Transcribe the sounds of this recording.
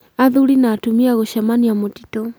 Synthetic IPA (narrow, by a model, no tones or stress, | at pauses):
aðulinaːtumiaɣɔʃamaniamɔti̥tɔ